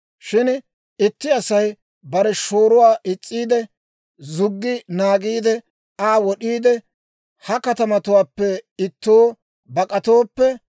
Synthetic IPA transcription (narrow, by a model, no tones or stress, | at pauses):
ʃɪn | ɪt̪ːɪɐsɐj | bɐɾɛʃo̞ːɾʊwaːʔɪt͡sʼːiːd̪ɛ | zʊɡːɪnaːɡiːd̪ɛ | aːwɔɗiːd̪ɛ | hɐkɐt̪ɐmɐt̪ʊwaːpːɛɪt̪ːoː | bɐkʼɐt̪o̞ːpːɛ